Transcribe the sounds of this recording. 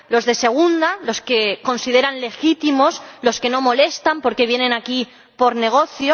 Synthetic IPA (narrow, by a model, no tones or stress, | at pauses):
lo̞zðe̞se̞ɣ̞und̪alo̞ske̞ko̞nsiðe̞ɾanle̞xit̪imo̞slo̞ske̞no̞mo̞le̞st̪ampo̞ɾke̞βje̞nẽ̞naki | po̞ɾne̞ɣ̞o̞θjo